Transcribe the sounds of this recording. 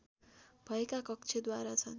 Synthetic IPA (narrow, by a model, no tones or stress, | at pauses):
b̥ʱʌekakʌk̚t͡sʰed̪waɾat͡sʰʌn